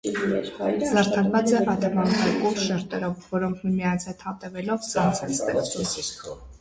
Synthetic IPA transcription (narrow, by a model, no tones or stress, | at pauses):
zɑɾt̪ʰɑɾvɑt͡sɛɑt̪ɛvɑnkʰɛɾkumʃɛɾt̪ɛɾɔvːɔɾɔŋkʰmimijɑnt͡sʰɛt̪ʰhɑt̪ɛvɛlɔvsɑnt͡sʰɛt͡sʰt̪ɛ̰ɾ